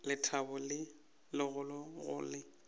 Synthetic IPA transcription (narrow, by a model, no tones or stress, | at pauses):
lɪtʰabʊlɪ | lɪɣʊlɔɣʊ̰lɪ